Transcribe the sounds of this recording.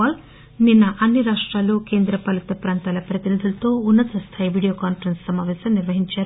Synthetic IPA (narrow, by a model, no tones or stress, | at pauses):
aːl | ninːɐʔɐnːiɾaːʂʈɾaːloːke̞ːnd̪ɾɐpɐlɐt̪ɐpɾaːnt̪aːlɐpɾɐt̪inid̪ʱulɐt̪o̞ːunːɐt̪ɐst̪ʰaːjiʋiːɽijoːkaːnfɐɾenssɐmaːʋɛːsɐmniɾʋɐɦiɲt͡ʃaːɾu